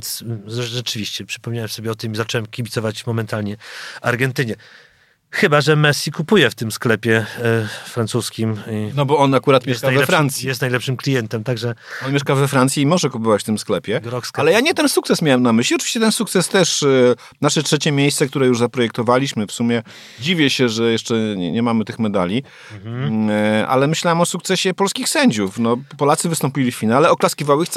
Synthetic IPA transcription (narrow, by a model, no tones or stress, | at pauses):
nt̪sɛʐɛt͡ʂɘvʲiɕt͡ɕɛpʂɘ̥pɔmɲawɛmsɔbʲjɛɔt̪ɨmizat͡ʂɛwɛmkʲibʲit̪ɔvat͡ɕvmɔmɛnt̪alɲɛaɾɡɛnt̪ɘɲɛ | xɘbaʐɛmɛsʲːikupujɛft̪ɘmsklɛpʲjɛ | fɾansuskʲiminɔbɔɔnakuɾat̪mʲɛʂstkajvɛɛfɾant̪sjijɛst̪najlɛpʂɘmklʲijɛnt̪ɛmt̪aɡʐɛɔnmʲeʂkavɛfɾant̪sʲjiimɔʐɛkupɔvat͡ɕft̪ɘmsklɛpʲjɛalɛjaɲɛt̪ɛnsukt̪sɛsmʲawɛmnamɘɕlʲiɔt͡ʂɨ̥viɕt͡ɕɛt̪ɛnsukt̪sɛst̪ɛʂ | naʂɛtʂɛt͡ɕɛmʲjejst̪sɛk̚t̪uɾɛjuʐzapɾɔjɛk̚t̪ɔvalʲiɕmɘfsumʲjɛ | d͡ʑivʲjɛɕɛʐɛjɛʂt͡ʂɛɲ̰ɲɛmamɘt̪ɘxmɛd̪a̰lʲi | ʔa̰lɛmɘɕlawɛmɔsuk̚t̪sɛɕɛpɔlskʲixsɛɲd͡ʑufnɔpɔlat̪sɘvɘst̪ɔmpʲilʲiffʲinalɛɔklaskʲivawixt̪